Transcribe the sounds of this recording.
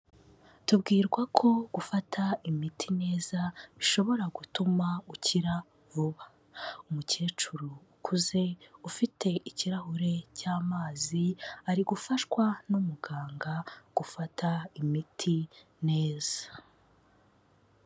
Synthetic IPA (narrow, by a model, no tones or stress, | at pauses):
tubɡiːɾɡwakʰo̞ɡ̥ufatʰaimitʰine̞ːzaβiʃo̞βo̞ɾaɡutumauciɾa | vuβa | umuce̞ːt͡ʃuɾuːkʰuze̞ufitʰe̞iciɾahuɾe̞caːmaːziaɾiɡufaʃkwanumuɡaːŋɡaɡ̥ufataimitʰi | ne̞ːz̥ḁ